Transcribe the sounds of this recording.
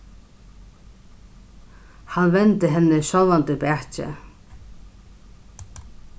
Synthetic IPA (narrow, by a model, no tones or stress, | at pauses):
hanːvɛnt̪ɪɦɛnːɪʃɔlant̪ɪpaːht͡ɕɪ̰